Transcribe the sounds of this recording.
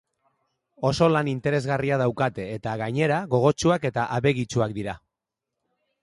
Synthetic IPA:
o̞so̞lanint̪e̞ɾe̞zɣariað̞awkat̪e̞ːt̪aɣaɲe̞ɾaɣo̞ɣ̞o̞t͡ʃuake̞t̪aʔaβe̞ɣit͡ʃuakd̪iɾa

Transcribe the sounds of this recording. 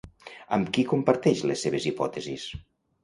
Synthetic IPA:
əmkikumpəɾt̪ɛʃlesːeβezipɔt̪ezis

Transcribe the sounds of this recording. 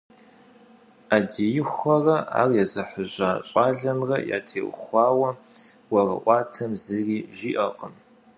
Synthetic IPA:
adijɪχʷɐrɐa̰ːrjɛzɐħəʑaːɕʼaːɮɐmrɐ̰ja̰ːtʰḛːʔʷʊ̰χʷɑːwɐwɐrɐ̰ʔʷɑːtʰɐmzɨriːʒiːʔɐqʼəm

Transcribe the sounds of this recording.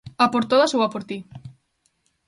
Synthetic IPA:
apoɾt̪oðasowapoɾt̪i

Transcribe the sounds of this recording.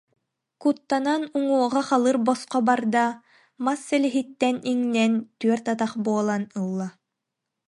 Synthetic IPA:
kut̪ːananuŋuɔʁaχalˠɯɾbɔsqɔbaɾd̪a | masːɛlɛɦit̪ːɛniŋnɛnt̪yœɾt̪at̪aχbuɔlˠanɯlˠːa

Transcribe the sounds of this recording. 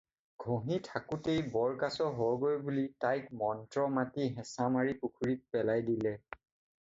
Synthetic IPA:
ɡʱõɦitʰakutejbɔɹkasɔɦɔɡojbulitajkmɔntɹɔmatiɦɛsamaɹipukʰuɹit̚pɛlajdilɛ

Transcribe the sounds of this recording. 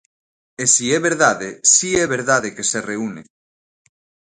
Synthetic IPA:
esiɛβeɾðaðesiɛβ̞eɾðaðekesereune

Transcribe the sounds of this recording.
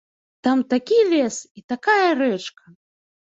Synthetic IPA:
t̪amt̪akʲilʲɛsit̪akajɐrɛt͡ʂkɐ

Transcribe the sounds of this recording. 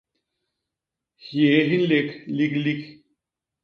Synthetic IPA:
hjeɦinlekʰliklik

